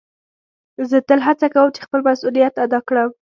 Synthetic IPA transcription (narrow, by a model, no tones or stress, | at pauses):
zət̪əlɦat͡sakawəmt͡ʃe̥xpəlmasulijat̪ad̪ɑkɽəm